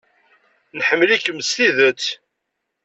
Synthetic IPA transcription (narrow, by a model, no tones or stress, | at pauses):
nħəmːəlikːəmst̪iðət͡sː